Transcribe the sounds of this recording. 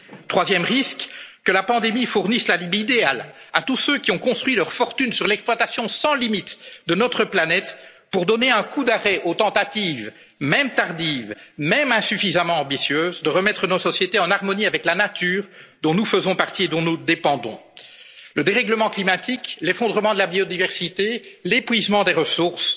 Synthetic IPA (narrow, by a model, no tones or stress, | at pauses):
t̪χwazjɛmʁiskkəlapɑ̃d̪emifuʁnislalibid̪eala̰t̪usøkʲiɔ̃kɔ̃st̪χwɥilœʁfɔʁt̪ynsyʁlɛksplwat̪asjɔ̃sɑ̃limit̪d̪ənɔt̪χəplanɛt̪ | puʁd̪ɔneɛ̃kud̪aʁɛʔot̪ɑ̃t̪at̪iv | mɛmt̪aʁd̪iːvmɛmɛ̃syfizamɑ̃ɑ̃bisjøːzd̪əʁəmɛt̪χənɔsɔsjet̪eɑ̃naʁmɔniavɛklanat̪yːʁd̪ɔ̃nufəzɔ̃paʁt̪ied̪ɔ̃nud̪epɑ̃d̪ɔ̰̃ | ləd̪eʁɛɡləmɑ̃klimat̪iklefɔ̃d̪ʁəmɑ̃d̪əlabiod̪ivɛʁsit̪elepɥizmɑ̃d̪eʁəsuʁs